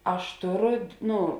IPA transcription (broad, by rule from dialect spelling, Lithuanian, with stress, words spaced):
ˈɐʃ ˈtoːˌroː ˈnʊ